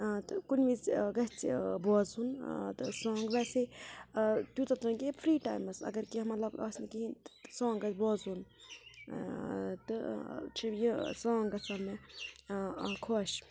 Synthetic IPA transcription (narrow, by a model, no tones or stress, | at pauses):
t̪ɨkunʋizɡɐt͡sboːzunt̪ɨsõːŋɡʋɛse | t̪jut̪ɐt̪unkepʰɾiːʈa̰ːjmɐsɐ̰ɡɐɾkiɐmɐt̪lɐbɐ̰ːsnikiɦint̪sõːŋɡɡɐt͡sboːzuːn | t̪ɨ̰t͡ʃʰijisõːŋɡɐsɐlme | kʰoːʃ